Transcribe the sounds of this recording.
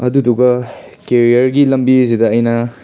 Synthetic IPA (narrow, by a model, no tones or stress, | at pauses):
ɐduduɡɐkeɾijɐɾɡilɐmbisidɐːjnɐ